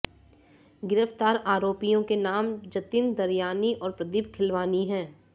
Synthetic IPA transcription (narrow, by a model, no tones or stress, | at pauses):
ɡɪɾəft̪aːɾaːɾoːpijõkenaːmd͡ʒɐt̪ɪnd̪ɐɾjaːniʔɔːɾpɾɐd̪ɪbkʰɪlʋaːniɦɛ̃ː